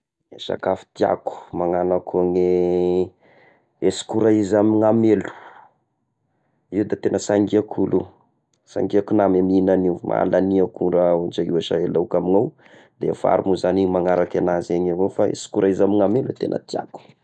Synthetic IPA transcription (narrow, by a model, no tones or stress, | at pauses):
eʃa̰kafi̥t̪ia̰ku̥maŋanakʰoŋe | esi̥kuɾaizamiŋamelu̥ | iwd̪at̪enəsaŋɡiakʰulu | sa̰ŋɡiakunameminanimʔa̰laniakuɾaud͡ʒaiwaʃaelawkaminaw | d̪efa̰ɾumuzanimaŋaɾakenazeɲavofaḛsi̥kuɾʔaizamiŋamelet̪enə̰t̪ia̰ku̥